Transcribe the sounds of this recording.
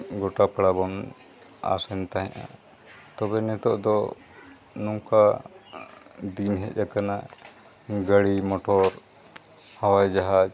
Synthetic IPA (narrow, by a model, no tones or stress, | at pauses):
ɡɔʈapaɽabɔn | a̰sɛnt̪aɦɛ̃ʔa̰ | t̪ɔbɛnɛt̪ɔʔd̪ɔ | nɔŋka | d̪inɦɛt̪̚ˀjakanaʔ | ɡəɽimɔʈɔɾ | hawajd͡ʒaɦad͡ʒ